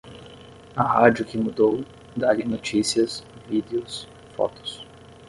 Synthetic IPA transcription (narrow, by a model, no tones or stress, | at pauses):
ɐɦad͡ʒʊkɪmud̪ow | d̪alɪnot͡ʃisiɐsvid̪eʊs | fɔ̰t̪ʊ̥s